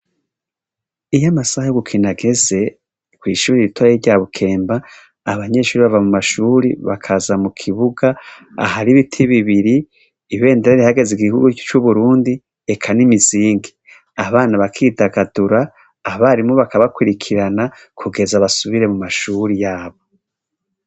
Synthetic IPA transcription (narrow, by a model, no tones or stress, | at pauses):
ijamasahajoɡukʰinaɡe̞ze̞ | kwiːʃuːɾiɾitʰwaeɾɟaːβukʰe̞ːmbaː | βaɲeʃuːɾiβavamumaʃuːɾiβa̰kʰazamukʰiβuɡaa̰haɾiβitʰiβiβiɾiː | βe̞ːndeɾaɾihaɡe̞ziɡihuɡut͡ʃuβuɾuːndi | ekʰanimiziːŋɡe | aβaːnaβakʰidaɡaduɾaː | βaɾimoβakaβakwiɾikʰiɾana | kʰuɡe̞zaβasuβiɾe̞mumaʃuːɾijaːβo̞